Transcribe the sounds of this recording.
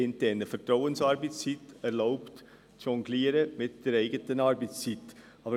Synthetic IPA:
ɪnt̪ɛnəfətraʊənsɑɾbɛɪssɪt̪ɛɾlaʊpt | ʃɔŋɡliːɾəmɪt̪̚d̥eɾeɪɡətənɑɾbɛɪssɪt̪ | ʔɑːbə

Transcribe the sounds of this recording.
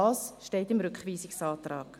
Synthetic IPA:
ɑːsʃteɪtɪmɾʏkχviːsɪksɑːtɾɑːk

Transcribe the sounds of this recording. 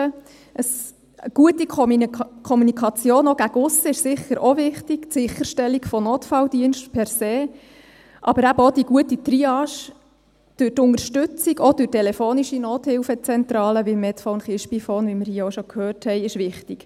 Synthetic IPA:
ə | ʔəs | əɡ̥uətikkʰɔmunikʰɑt͡sjoːnoɡ̥æɡʊsːəɪʃsɪχəɾʔovɪχtiktsɪχəɾʃtɛlːiɡfɔnoːtfɑldiənʃtpʰɛɾseː | ʔɑbəɾæbəod̥̪iɡ̥uətitriɑːʃ | d̥øːɾtʊŋəɾʃtʉt͡siɡod̥øːɾtːɛlɛfoːniʃinoːthɪwfət͡sɛnt̪ɾɑːləʋimɛtfɔʊnχɪʃpifɔːnʋimɪɾhiːoʃokʰhøːrthɛɪɪʃʋɪχtiɡ

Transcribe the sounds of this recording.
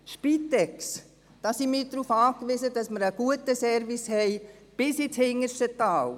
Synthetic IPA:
ʃpiːtɛks | d̥ɑːsimiːdɾuːfɑːkʋisədɑsməɾəɡ̥uətəsɛɾvishɛɪb̥ɪsit͡shɪŋːəʃtətɑːl

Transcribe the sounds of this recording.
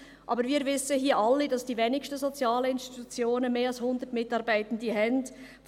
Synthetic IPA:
ʔɑːbəɾviːɾvɪsəɦiːəʔɑlːidɑsd̥iːveːnɪkʃtəzot͡sjɑːləɪnstitut͡sjoːnənmeːɑlshʊnd̪ətmɪtɑɾbæɪtən̩diɦɛnd | f

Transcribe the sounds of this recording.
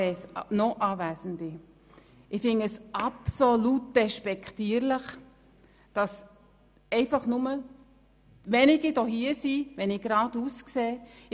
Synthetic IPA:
ɛsnɔʔɑːvæːzən̩dɪ | ɪfɪŋəsʔɑpsolut̚d̥ɛʃpɛkʰtiːəɾlɪχ | d̥ɑs | ɛɪfɑχnʊmə | ʋɛnɪɡidɔɦiəsivɛnɪɡɾɑːduːskseː

